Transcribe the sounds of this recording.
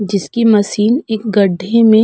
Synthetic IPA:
d͡ʒɪskimɐsiːneːk̚ɡɐɖʱemẽ

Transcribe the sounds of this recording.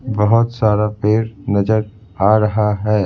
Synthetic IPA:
bɐɦʊt̪saːɾapeːɾnɐd͡ʒəɾ | aːɾɐɦaɦɛː

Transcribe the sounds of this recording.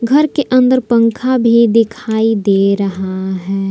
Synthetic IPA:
ɡʱɐɾkeʔə̃nd̪əɾpə̃ŋkʰabʱid̪ɪkʰaːid̪eːɾɐɦaɦɛː

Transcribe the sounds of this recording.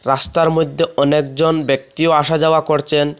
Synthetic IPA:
ɾast̪aɾmod̪ʱːeɔnekd͡ʑonbek̚t̪ioaʃad͡ʑaoakoɾt͡ɕʰen

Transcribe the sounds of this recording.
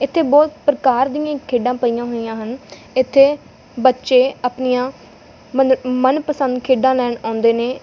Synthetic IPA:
ɪt̪ʰːeːbɔːt̪pɾəkaːɾd̪ijãːkʰeːɖãːpəijãːɦoːijãːɦən | ɪt̪ʰːeː | bətːʃeːaːpnijãː | məmənpəsə̃nd̪kʰeːɖãːlɛːɳãːʊ̃nd̪eːneː

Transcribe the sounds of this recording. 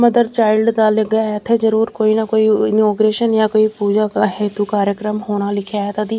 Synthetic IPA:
məd̪əɾt͡ʃaːɪlɖd̪aləɡəjaɛt̪ʰezəɾuːɾkoːinɐkoːiɪnoːɡɾeːʃənjakoːipuːd͡ʒakaɦeːt̪ukaːɾjəkɾəmɦoːnalɪkʰaːet̪ad̪iː

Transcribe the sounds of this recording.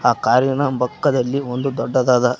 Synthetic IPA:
aːkaːɾjɐnɐbɐkːɐd̪ɐlːiond̪ud̪ɔɖːɐd̪aːd̪ɐ

